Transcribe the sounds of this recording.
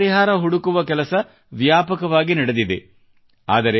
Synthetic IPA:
ɾiɦaːɾɐɦuɽukuʋɐkɛlɐsɐ | ʋjaːpɐkɐʋaːɡinɐɽed̪id̪e | a̰ːd̪ɐɾe

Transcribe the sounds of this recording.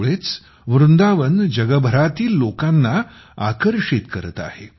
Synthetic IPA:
ɭet͡s | ʋɾund̪aʋənd͡ʑəɡəbʱəɾat̪iːlːokanːa | a̰kəɾʂit̪kəɾət̪a̰he

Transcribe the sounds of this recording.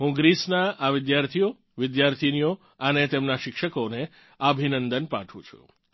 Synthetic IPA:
ɦũɡɾisnaʔaʋɪd̪jaɾt̪ʰijo | ʋɪd̪jaɾt̪ʰinijo | ənet̪emnaʃɪkʃəkone | əbʱinənd̪ənpã̰ʈʰṵ̃t͡ʃʰṵ

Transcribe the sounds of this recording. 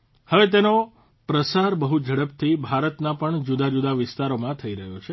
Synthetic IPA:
həʋet̪̬eno | pɾəsaɾbəɦud͡ʒʱəɽəp̚t̪ʰibʱaɾət̪napəɳd͡ʒud̪ad͡ʒud̪aʋɪst̪aɾomãt̪ʰəiɾəɦjot͡ʃʰe

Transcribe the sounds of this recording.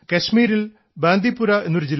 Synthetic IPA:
kɐʂmiːɾil | baːnd̪ipːuɾɐenːuɾud͡ʑilː

